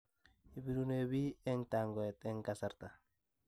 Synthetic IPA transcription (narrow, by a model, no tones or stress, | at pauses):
ibiɾunebiɛŋtaŋɡɔɛt̪ɛŋkasaɾt̪a